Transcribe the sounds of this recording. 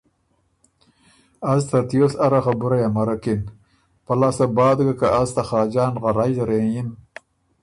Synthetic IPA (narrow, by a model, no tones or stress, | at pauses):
azt̪at̪josaɾaxabuɾajamaɾakin | palɑsabɑːd̪ɡakaʔazt̪aχɑːd͡ʒɑːnɣaɾajzaɾejin